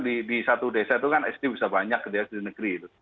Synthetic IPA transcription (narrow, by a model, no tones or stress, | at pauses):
didisat̪udesait̪ukanɛsd̪ibisabaɲak̚diɛsdinəɡ̥ɾiit̪u